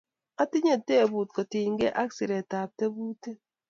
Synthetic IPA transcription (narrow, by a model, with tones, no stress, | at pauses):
a˦ti˦ɲe˦˨tːe˦˨bu˨t̚ko˨ti˨ŋɡe˦ʔa˦ksi˨ɾe˨ta˨p̚te˦bu˦te˦